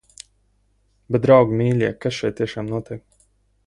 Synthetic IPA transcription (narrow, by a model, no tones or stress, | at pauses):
bɛt̪̚d̪ɾawɡmʲiːlʲiɛkːasʃɛjt̪t̪ʲːiɛʃaːmnuɔt̪ʲiɛk̚